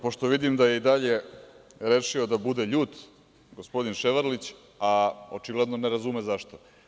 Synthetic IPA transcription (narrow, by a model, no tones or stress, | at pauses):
po̞ʃt̪oʋid̪imd̪ajeid̪aʎe̞ɾeːʃiod̪abud̪eʎuːt̪ | ɡospo̞d̪inʃeʋaɾlit͡ɕ | aot͡ʃiɡlˠad̪no̞neɾazumezaʃt̪o